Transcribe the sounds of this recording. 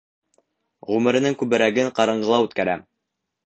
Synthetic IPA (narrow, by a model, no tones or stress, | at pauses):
ʁʉmɘ̆ɾɘ̆nɘŋkʉbɘ̆ɾæɡɘɴqɑɾɤ̆ɴɢɤ̆lˠɑʉt̪kæɾæ̰m